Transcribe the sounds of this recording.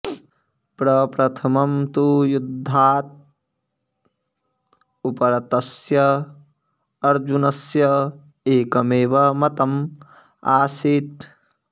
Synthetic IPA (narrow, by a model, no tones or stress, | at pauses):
pɾɐpɾɐt̪ʰɐmɐmt̪ujud̪ʱːaːt̪̚ | upɐɾɐt̪ɐsjɐ | ɐɾd͡ʒunɐsjɐ | eːkɐmeːʋɐmɐt̪ɐm | aːsit̪̚